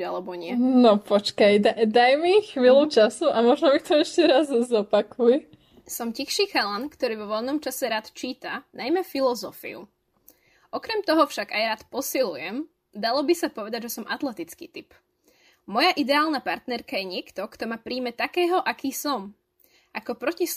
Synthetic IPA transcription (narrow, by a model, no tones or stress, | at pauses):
a̰lɛbɔɲɪɛnɔpɔt͡ʃkajd̪ad̪ajmixʋiːlut͡ʃasuʔamɔʒnɔmikt̪ɔɛʃcɛɾazzɔpakʰujɛ | sɔmcixʃiːxalankt̪ɔɾiːʋɔʋɔʎnɔmt͡ʃasɛɾaːt̪t͡ʃiːt̪anʔajmɛfilɔzɔfḭṵ | ʔɔkɾɛmt̪ɔɦɔfʃaɡajɾaːt̪pɔsilujɛm | d̪alɔbisapɔʋɛd̪aɟʒɛsɔmʔat̪lɛt̪it͡skiːt̪ip | mɔjaʔid̪ɛaːlˠnapaɾt̪nɛɾkajɛɲɪɛkt̪ɔkt̪ɔmaːpɾiːmɛt̪akɛːɦɔʔakiːsɔm | ʔakɔpɾɔcis